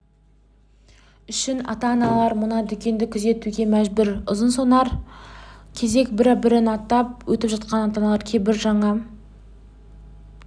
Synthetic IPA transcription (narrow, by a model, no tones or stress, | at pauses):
ʏʃɪnɑ̰t̪ɑnɑlˠɑɾmʊnɑd̪ʏkʲe̞nd̪ɪkʲʰʏze̞t̪uɡʲe̞mæʒbʏɾʊzənsonɑɾ | kʲʰe̞ze̞kbɪɾbɪɾɪnɑt̪ːɑp̚wɵt̪ɪpʒɑt̪̚qɑnɑt̪ɑnɑlˠɑɾkʲʰejbɪɾʒɑɴɑ